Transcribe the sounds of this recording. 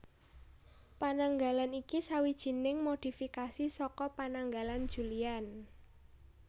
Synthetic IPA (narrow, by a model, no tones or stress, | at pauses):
panaŋɡalanikisawid̥ʒ̥i̤nɪŋmod̥i̤fikasisɔkɔpanaŋɡaland̥ʒ̥ṳlian